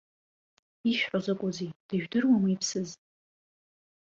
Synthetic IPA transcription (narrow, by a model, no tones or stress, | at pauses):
iʃᶣħozɨkʷʼʊzijd̥ɨʒᶣdɨrwamiipʰsɨz